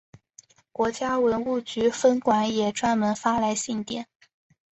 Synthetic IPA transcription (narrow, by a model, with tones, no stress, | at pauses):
kwɔ˧˥t͡ɕja˥wə˧˥nu˥˩t͡ɕy˧˥fə˥nkwa˧˥njɛ˨˩ʈ͡ʂwa˥nmə˧˥nfa˥la˧˥ɪɕi˥˩ŋt̪jɛ̰˨˩˦n